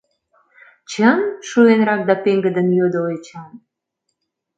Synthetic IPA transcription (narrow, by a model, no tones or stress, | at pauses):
t͡ɕənʃuenrɑk̚d̪ɑpeŋɡəd̪ənjød̪əlet͡ɕɑm